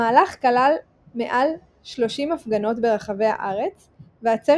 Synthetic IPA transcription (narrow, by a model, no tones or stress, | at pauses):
aːlaχkalal | me̞̰ʔal | ʃlo̞ʃimafɡano̞tbe̞ʁaχave̞jha̰ʔaʁe̞t͡s | veat͡se